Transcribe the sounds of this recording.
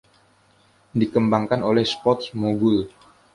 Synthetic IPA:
dikəmbaŋkanolɛhspɔt̪smoɡul

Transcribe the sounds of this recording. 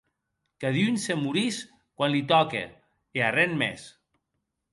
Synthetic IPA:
kaðjunsemuɾis | kwanlit̪ɔkḛ | earenmḛs

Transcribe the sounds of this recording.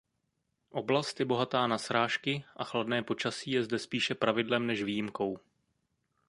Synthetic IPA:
ʔo̞blast̪jɛbo̞ɦat̪aːnasɾaːʃkɪʔaxladnɛːpo̞t͡ʃasiːjɛzdɛspiːʃɛpɾavɪdlɛmnɛʃviːjɪmko̞w

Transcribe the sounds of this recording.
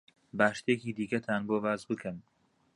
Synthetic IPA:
baːʃt̪ʰekiːd̪iːɡɐt̪ʰaːnboːvaːzbɨkʰɨm

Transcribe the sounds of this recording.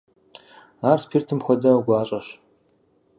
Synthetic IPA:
aːrspʰiːrtʰɨmxʷɔdɐwɡʷaːɕʼɐɕ

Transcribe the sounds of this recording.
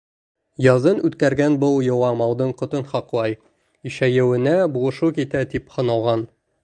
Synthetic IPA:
jɒzɤnʉt̪kæɾɡænbɤlˠjŏwɑmɒwd̪ɤɴqŏt̪ɤnχɒqlˠɑj | iʃæjɘ̆wɘ̆næbuʁɤ̆ʃukit̪æt̪iphŏnɑlˠʁɑn

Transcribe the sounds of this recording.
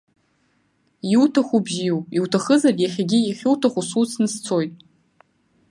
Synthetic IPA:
jiwtʰaχʷubʒijupʼiwtʰaχəzarjaχʲaɡʲijaχʲuwtʰaχʷusut͡sʰnɨst͡sʰo̞jtʼ

